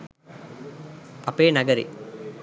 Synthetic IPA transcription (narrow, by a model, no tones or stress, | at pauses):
ɐpeːnɐɡɐɾḭ